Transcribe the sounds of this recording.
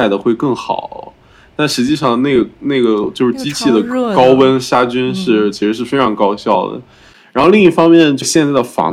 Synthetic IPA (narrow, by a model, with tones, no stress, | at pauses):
ɪd̪ə˩xwe˥˧ɪkɤ˥˩ŋxɑ̰˨˩ʊ | t̪a˥˩nʂɻ̩˧˥t͡ɕi˥˧ʂɑ˥˧ŋne˥˩ɪə˩ne˥˩ɪɡə˩t͡ɕjo˥˧ʂɻ̩˥˩t͡ɕi˥t͡ɕʰi˥˩d̪ə˩kɑ˥ʊwə˥nʂa˥t͡ɕy˥nʂɻ̩˥˩t͡ɕʰi˧˥ʂɻ̩˧˥ʂ̬ɻ̩˥˩fe˥ɪʈ͡ʂʰɑ˧˥ŋkɑ˥ʊɕjɑ˥˩ʊd̪ə̰˩ | ɻa˧˥n˥xo˧li˥˧ŋi˥˩fɑ˥ŋmjɛ˥˧nt͡ɕo˥˧ɕjɛ˥˧nt͡sa˥˩ɪə˩fɑ̰˧˥